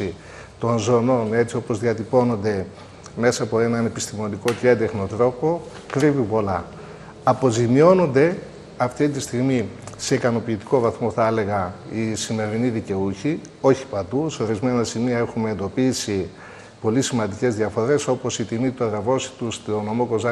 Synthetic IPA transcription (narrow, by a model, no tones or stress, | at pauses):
i | t̪o̞nzo̞no̞ne̞t͡sio̞po̞zðiɐt̪ipo̞no̞nd̪e̞ | me̞sɐːpo̞e̞nɐne̞pist̪imo̞niko̞ceend̪e̞xno̞t̪ɾo̞po̞ | kɾivipo̞lɐ | ɐpo̞zimio̞no̞nd̪e̞ | ɐft̪it̪ist̪iɣmise̞ikɐno̞piːt̪i̥ko̞vɐθmo̞θɐele̞ɣɐisime̞ɾiniðice̞uçi | o̞çi̥pɐd̪useo̞ɾizme̞nɐsimiɐe̞xume̞ːnd̪o̞pisi | po̞lisimɐnd̪ice̞zðiɐfo̞ɾe̞so̞po̞sit̪imit̪uɐðɐvo̞si̥t̪ust̪ono̞mo̞ko̞zɐ